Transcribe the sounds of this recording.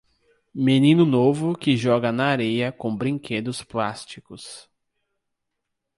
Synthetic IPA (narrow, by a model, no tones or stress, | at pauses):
menĩnʊnovʊkɪʒɔɡɐnɐːɾejɐkõbɾĩŋkʰed̪ʊsplast͡ʃikʊs